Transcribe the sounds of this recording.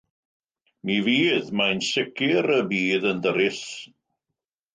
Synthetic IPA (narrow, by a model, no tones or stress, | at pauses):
miviːðmajnsɪkʰɪɾəbiːðəndəɾɪs